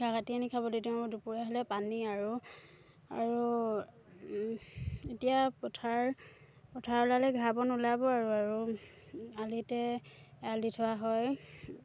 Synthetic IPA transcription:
ɡaɡatianikʰabɔdetidupuɹaɦɔlɛpaniaɹu | a̰ɹu | etijapɔtʰaɹ | pɔtʰaɹɔlalɛɡʱabɔnulabɔaɹuaɹu | alitɛalditʰɔwaɦɔj

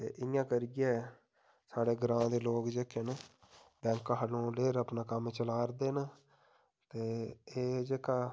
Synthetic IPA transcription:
t̪ḛːʔɪjãːkəɾɪɡɛː | saːɽeːɡɾãːd̪eːloːkd͡ʒeːkeːn | bɛ̃ːŋkːaɦalõːleːɾəpnaːkəmt͡ʃəlaːɾd̪eːn | t̪eːeːd͡ʒeːkaː

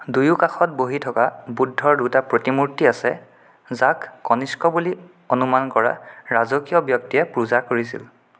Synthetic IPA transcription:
dujukaxɔt̚boɦitʰɔkabudʱːɔɹdutapɹotimuɹtiasɛ | zakːɔniskɔbuli | onumankɔɹa̰ɹazɔkijɔbjɔk̚tiɛpɹuzakoɹisḭl

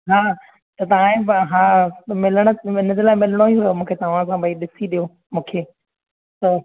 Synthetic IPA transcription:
ɦaː | t̪ɐt̪ɐʋãẽbɦaːmɪləɽ̃ə̆ɪnəd͡ʑelaːɪmɪləɽ̃oiɦʊjomũːkʰet̪ɐʋ̤ãsãbʱaiɗɪsiɗijo | mũːkʰeː | t̪ɐ

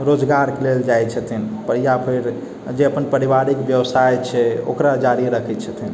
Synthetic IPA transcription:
ɾod͡ʒɡaɾkeleld͡ʒajt͡ʃʰət̪ʰinpəɾjapʰeɾ | d͡ʒeəpənpəɾiʋaɾikbjəwsajt͡ʃʰɛo̰kɾad͡ʒaɾiɾəkʰɛt̪t͡ʃʰət̪ʰin

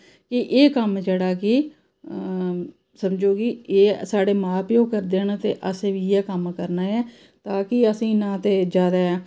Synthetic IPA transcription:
kɪʔeːkəmd͡ʒeːɽaːkɪ | səmd͡ʒoːɡieːsaːɽeːmaːpjoːkəɾd̪eːnt̪eːʔəseːʋiːɛːkəmkəɾnaːɛː | t̪aːkɪəsĩːnãːt̪eːd͡ʒaːd̪aːɛː

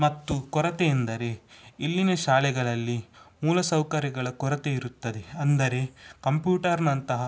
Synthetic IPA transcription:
mɐt̪ːukɔɾɐt̪eːnd̪ɐɾe̞ilːinɐʃaːlɛɡɐɭɐlːimuːlɐsɐwkɐɾjɐɡɐɭɐkɔɾɐt̪eiɾut̪ːɐd̪e̞ɐnd̪ɐɾe̞kɐmpjuːʈɐɾnɐnt̪ɐɦɐ

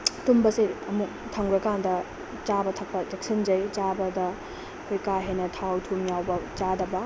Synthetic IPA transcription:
tumbɐsiɐmuk̚tʰɐŋɡɾɐkandɐ | t͡ʃabɐtʰɐk̚pɐd͡ʒek̚sɐnd͡ʒɐjt͡ʃabɐdɐ | kʰojkaɦenɐtʰawtʰumjawbɐt͡ʃadɐbɐ

